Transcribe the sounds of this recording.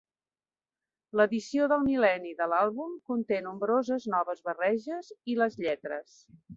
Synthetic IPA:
ləðisioðəlˠmilɛniðəlalˠβumkunt̪enumbɾozəznɔβəzβərɛʒəziləzʎɛt̪ɾəs

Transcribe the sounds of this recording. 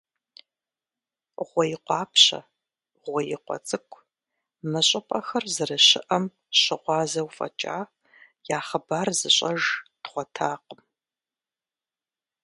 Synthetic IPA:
ʁʷɔjɪqʷɑːpʰɕɐ̰ | ʁʷɔjɪqʷɔ̰t͡sʼɨkʷʰʼ | mɨɕʼɐpʼɐxɐrzɨrɨɕɪ̰ʔɐm | ɕɪʁʷɑːzɐwfʼɐ̰t͡ʃʼa̰ː | jaːχəbaːrzɨɕʼɐʒtχʷɔtʰaːqəm

